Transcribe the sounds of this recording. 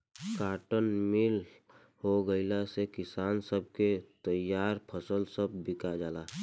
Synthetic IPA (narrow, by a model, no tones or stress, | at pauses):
kaːʈənmɪl | hoɡəɪlasekɪsaːnsəb̚ʱket̪əjaːɾpʰəsəlsəb̚ːɪkad͡ʒaːlaː